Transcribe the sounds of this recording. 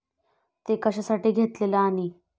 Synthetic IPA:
t̪ekəɕasaʈiːɡʱet̪lelaːɽ̃i

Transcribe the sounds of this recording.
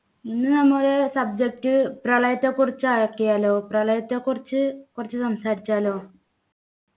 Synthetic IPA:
inːɨnɐmːuɾesɐb̚d͡ʑek̚ʈːɨprɐɭɐjɐt̪ːeːkurit͡ɕːuaːkːijaːloːprɐɭɐjɐt̪ːeːkurit͡ɕːɨkurɐt͡ɕːusɐmsaːɾit͡ɕːaːlo̞ː

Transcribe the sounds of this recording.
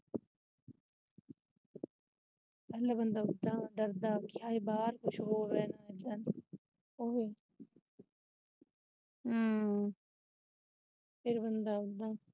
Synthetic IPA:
pɛɦlabɐnd̪aʊd̪ːaːɖɐɾd̪aːkjaːibaːɾkʊt͡ʃʰɦoːʋeːnaelɐn | oːʋe | pɪɾbɐnd̪aʊd̪aː

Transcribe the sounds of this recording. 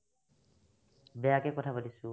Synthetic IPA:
bɛjakɛkɔtʰapadisʊ

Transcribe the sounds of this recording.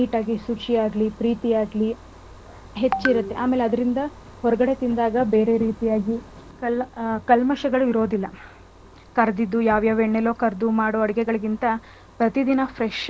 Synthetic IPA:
iːʈaːɡisut͡ʃijaːɡlipɾiːt̪ijaːɡli | ɦe̞t͡ʃːiɾut̪ːe̞ʔaːme̞ːleɐd̪ɐɾind̪ɐ | hɔɾɐɡɐɽe̞t̪ind̪aːɡɐbe̞ːɾe̞ɾiːt̪ijaːɡi | kɐlkɐlmɐʃɐɡɐɭuiɾo̞ːd̪ilːɐ | kɐɾd̪id̪ːujaːʋjaːʋeɳːelo̞ːkɐɾd̪umaːɽoːɐɽiɡɛɡɐɭɐɡint̪ɐ | pɾɐt̪id̪inɐpʰɾeʃ

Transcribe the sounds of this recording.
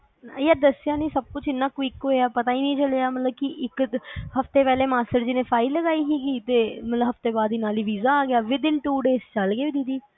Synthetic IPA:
jaːd̪əsɪjaːnĩːsəb̚kʊt͡ʃʰɪnːãːkʋiːkɦoːjaːpət̪aːiːnəĩːt͡ʃəleaːmət̪ləb̚kɪʔɪkhəft̪eːpɛːleːmaːsʈəɾd͡ʒɪnẽːpʰaːiləɡaːiːkiːkiːt̪eːmət̪ləbɦəft̪eːbaːd̪iːnaːliːʋiːzaːɡɪjaːʋɪd̪ɪlʈuːɖeːst͡ʃəlɡeːʋiːd̪id̪iː

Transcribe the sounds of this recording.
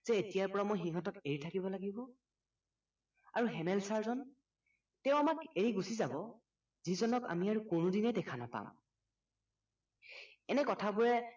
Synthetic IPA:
z̥ɛetijaɹpɔɹamojxiŋɦɔtɔkeɹitʰakibɔlaɡibɔ | aɹuɦɛmɛlsaɹzɔn | tɛʊ̃amakeɹiɡusizabɔ | zizɔnɔka̰miaɹukonʊdinɛdɛkʰanapa̰m | ɛnɛkɔtʰabuɹɛ

